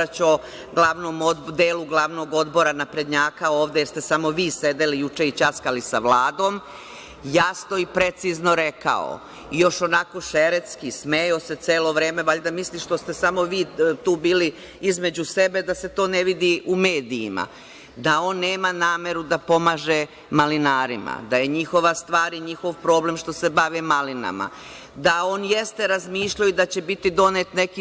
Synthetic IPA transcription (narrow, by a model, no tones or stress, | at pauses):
at͡ɕo̞ | ɡlˠaʋnomod̪eːluɡlˠaʋno̞ːɡo̞d̪bo̞ɾanapɾed̪ɲaːkaoːʋd̪ejeɾst̪e̞samo̞ʋiːsed̪e̞lijut͡ʂeit͡ʃaskalisaʋlˠaːd̪o̞ːm | jasno̞ipɾe̞t̪siznoɾeka̰o̰ | ijo̞ʃo̞nako̞ʃeɾet̪skismejose̞t̪seːlo̞ʋɾe̞ːmeʋaʎd̪amisliʃt̪o̞st̪e̞samo̞ʋiːt̪uːbiːli | izme̞d͡ʑuse̞be̞d̪ase̞t̪o̞ːneʋid̪iʔume̞ːd̪ḭːma̰ | d̪ao̞ːnːe̞ːmanaːme̞ɾud̪apo̞maːʒe | malinaːɾima̰d̪aje̞ɲixo̞ʋast̪ʋaːɾiɲixo̞ʋpɾo̞ːblemʃt̪o̞se̞baʋimalina̰ma̰ | d̪ao̞ːnjest̪eɾazmiːʃʎajuid̪at͡ɕebit̪id̪o̞net̪neki